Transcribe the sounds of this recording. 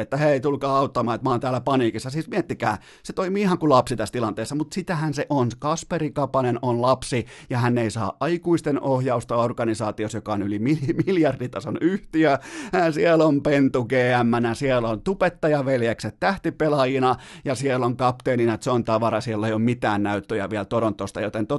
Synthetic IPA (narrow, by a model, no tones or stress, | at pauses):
et̪ːæheit̪ulkɑːɑut̪ːɑmɑːet̪mɑːnt̪æːlæpɑniːkisːɑsiːsmiet̪ːikæ̰ː | set̪oimiːihɑŋkulɑpsit̪æst̪ilɑnt̪eːsːɑmut̪sit̪æhænseʔonskɑsperikɑpɑnenonlɑpsijɑhænːeisɑ̰ːʔʔɑikuist̪enohjɑust̪ɑorɡɑnisɑːt̪iosjokɑonylimilimiljɑrdit̪ɑsonyht̪iæsielompent̪ukeːæmːænæsielont̪upet̪ːɑjɑʋeljekset̪t̪æht̪ipelɑjinɑjɑsieloŋkɑpt̪eːninɑt̪seont̪ɑʋɑɾɑsielːeijommit̪æːnnæyt̪ːøjæ̰ʋiɛlt̪oɾont̪ːost̪ɑ̰jot̪ent̪o